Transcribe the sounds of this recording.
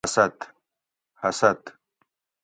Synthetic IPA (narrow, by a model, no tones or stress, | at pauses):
sɐt̪ | hɐsɐt̪